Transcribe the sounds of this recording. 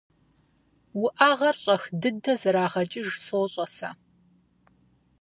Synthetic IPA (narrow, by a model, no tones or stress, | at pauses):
wʊʔaːʁɐrɕʼɐxdɨdɐzɐɾaːʁɐt͡ʃʼɪʒsoːɕʼɐsa̰